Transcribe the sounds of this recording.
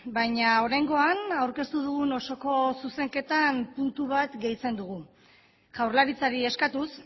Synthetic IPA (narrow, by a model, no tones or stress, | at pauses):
bajɲao̞ɾajŋɡo̞anawɾke̞st̪uð̞uɣuno̞so̞ko̞suse̞ŋke̞t̪anpunt̪uβat̪ɡe̞jt͡se̞nd̪uɣ̞u | ʝ̥awɾlaɾit͡saɾie̞skat̪us